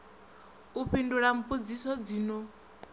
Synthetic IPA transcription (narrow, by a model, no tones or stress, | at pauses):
upʰinduɺam̩pʼud͡zisɔd͡zino